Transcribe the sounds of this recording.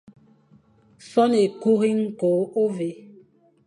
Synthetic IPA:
sɔ˦ne˨ku˦ɣi˦ŋ̩˦ko˨˦o˦ve˨

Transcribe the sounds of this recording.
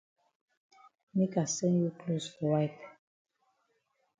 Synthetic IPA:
me˦ka˨sɛ̃˦nju˦kʰlosfɔ˨ɹaɪp

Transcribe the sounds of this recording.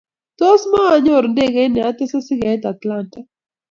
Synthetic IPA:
t̪ɔ˦smaː˦˨ɲɔ˦˨ɾnde˦ɡe˨˦nɛ˨a˦t̪ɛ˦sa˦sɪ˦ɡa˨ɛ˦t̪a˨t̪la˦nta˦

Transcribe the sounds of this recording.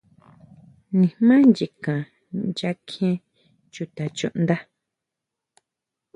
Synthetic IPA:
nĩ˨mã˦nd͡ʒi˨kã˨ | nd͡ʒa˧kʰẽ˦ | t͡ʃu˨t̪a˨t͡ʃṵ̃˧ʔnd̪a˦

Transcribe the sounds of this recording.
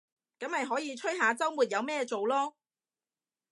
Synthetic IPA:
kɐ˨˥mhɐ˨jɦɔː˨˥jiː˨˧t͡ʃʰɵ˥jɦaː˨˧t͡sɐ˥wmuː˨˩t̚jɐ˨˧wmɛː˥t͡so˨wlɔː˥

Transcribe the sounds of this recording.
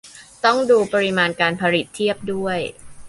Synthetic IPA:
t̪ɔ˥˩ŋduː˧pa˧ɾi˦˧maː˧nkaː˧npʰa˧ɾi˨˩t̪ʰːi˥˩əp̚du˥˩əj

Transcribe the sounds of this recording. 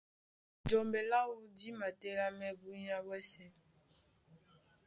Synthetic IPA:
d͡ʒɔ˨mbɛ˨la˦wo˦di˦ma˨tɛ˦la˦mɛ˦bu˦ɲa˦bwɛ˦sɛ˦

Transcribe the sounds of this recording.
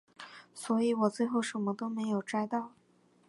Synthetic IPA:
swɔ˧˥i˧˥wɔ˨˩t͡swe˥˧ɪxo˥˩ʊʂə˧˥nmə˧t̪o˥ʊme˧˥ɪjo˨˩ʊʈ͡ʂa˥ɪt̪ɑ˥˩ʊ

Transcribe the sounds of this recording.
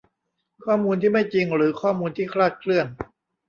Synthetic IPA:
kʰɔː˥˩muː˧nt̪ʰiː˥˩ma˥˩jt͡ɕi˧ŋɾɯː˩˦kʰɔː˥˩muː˧nt̪ʰiː˥˩kʰɾaː˥˩t̪̚kʰlɯ˥˩ən

